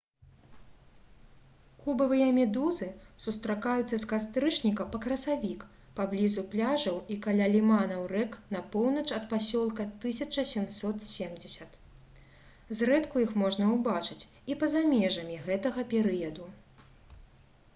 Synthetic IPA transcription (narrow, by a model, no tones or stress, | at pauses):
kubɐvɨjɐmʲɛd̪uzɨsust̪ɾakajut̪sːɐskast̪ɾɨt͡ʂnʲikɐpɐkɾɐsavʲik | pablʲizuplʲaʐɐwikalʲalʲimanɐwrɛknɐpɔwnɐt͡ʂɐt̪̚pasʲɔlˠkɐt̪ɨsʲɐt͡ʂɐsʲɛmsɔt̪sʲemd͡zʲɛsʲɐt̪ | zrɛt̪kujixmɔʐnɐwbat͡ʂɨt͡sʲipɐzamʲɛʐɐmʲiɣɛt̪ɐɣɐpʲɛɾɨjɐd̪u